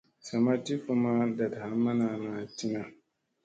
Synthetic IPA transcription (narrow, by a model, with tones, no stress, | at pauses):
sa˨ma˦ti˦ku˦ma˦da˨dha˦mːa˦na˨na˨ti˦na˨